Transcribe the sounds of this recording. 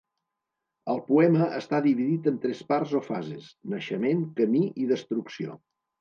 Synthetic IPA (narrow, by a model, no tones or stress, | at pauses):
əlˠpuɛməʔəst̪aðiβiðit̪ənt̪ɾɛspaɾzofazesnəʃəmeŋkəmiiðəst̪ɾuksio̰